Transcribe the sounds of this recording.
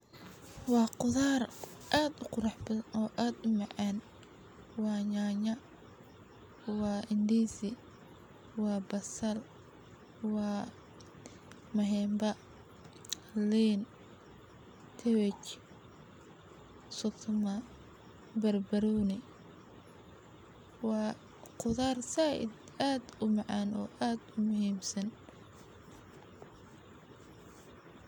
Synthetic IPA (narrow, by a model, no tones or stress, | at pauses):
wɑːqʊðaːrʔaːd̪ʊqʊɾɑħbɐɔːʔaːd̪ʊmɑʕan | wɑːɲaːɲɐ | wɑːʔɪnd̪iːsɪ | wɑːbɐsɐl | wɑː | mɐɦɛːmbɐ | liːn | t̪ʰɛwɛt͡ʃ | sɔt̪ʰʊmɐ | bɐrbɐɾɔːnɪ | wɑː | qʊðaːrsaːʔɪ̰d̪ | aːd̪ʊmɑʕɑːnɔ̰ːʔaːd̪ʊmʊɦiːmsɐn